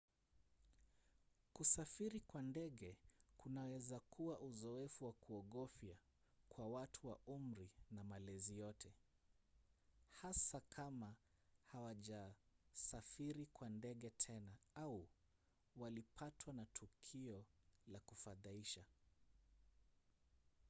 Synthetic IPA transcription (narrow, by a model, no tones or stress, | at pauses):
kusafiɾikwandɛɠɛkunawɛzakuwaʔuzɔɛfuwakuɔɠɔfja | kwawatʰuwaum̩ɾinamalɛzijɔtʰɛ | hasakʰama | hawaʄasafiɾikwandɛɠɛtʰɛnaau | walipʰatʰwanatʰukʰiɔlakufaðaiʃa